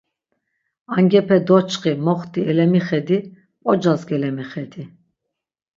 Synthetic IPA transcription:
aŋɡɛpʰɛd̪ɔt͡ʃʰχimɔχt̪ʼiɛlɛmiχɛd̪i | ɔd͡ʒazɡɛlɛmiχɛd̪i

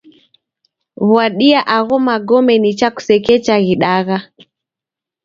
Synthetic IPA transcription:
βwaɗiaʔaɣɔmaɡɔmɛnit͡ʃaku̥sɛkɛt͡ʃaɣiɗaɣa

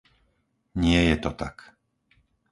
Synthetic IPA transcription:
ɲɪɛjɛt̪ɔt̪a̰k

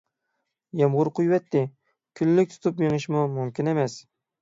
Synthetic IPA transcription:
jɑmʁʊɾqʰʊjwɛt̪ːɪ | kʲʰyllɪk̚ʲt̪ʰʊ̥t̪ʰʊpmeŋɨʃmʊmʊmkʲɪnemɛs

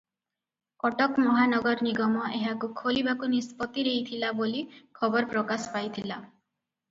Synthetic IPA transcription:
kɔʈɔkmɔɦanɔɡɔɾniɡɔmɔeɦakukʰolibakunispɔt̪iɾeɦit̪ʰilabolikʰɔbɔɾɔpɾɔkasɔ̥pajt̪ʰila

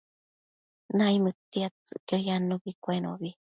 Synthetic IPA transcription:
naimɨt̪iat͡sɨ̰ʔkiojanubikʷeno̰βi

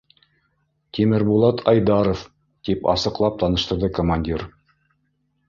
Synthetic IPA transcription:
t̪ʲimɘɾbulˠɑt̪ʰɑjd̪ɑɾof | t̪ipɑ̰sɤ̆qlˠɑp̚t̪ɑnɤ̆ʃt̪ɤ̆ɾðɤkomanʲdʲiɾ

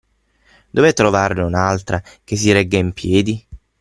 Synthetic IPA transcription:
d̪ovɛt̪ːɾovarnunalt̪ɾakes̬ːiɾɛɡːaimpjɛːd̪i

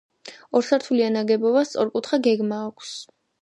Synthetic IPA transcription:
ɔɾsaɾt̪ʰulianaɡɛbɔbast̪sʼɔ̰ɾkʼut̪ʰχaɡɛɡmaːkʷʰs

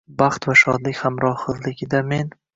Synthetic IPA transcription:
baχt̪vaʃɒ̰d̪lɪkʲhamɾɒχɨzlɪɡʲɪd̪ame̞n

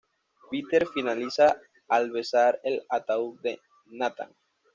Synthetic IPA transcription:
pit̪eɾfinalisa | alβesaɾelat̪awðe | nat̪a̰ŋ

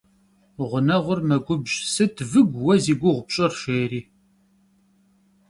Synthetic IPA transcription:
ʁʷənɐʁʷʊrmɐɡʷʊbʒsɨtʰvɨɡʷwɐziɡʷʊʁʷʊpɕʼɪrʃeːɾiː

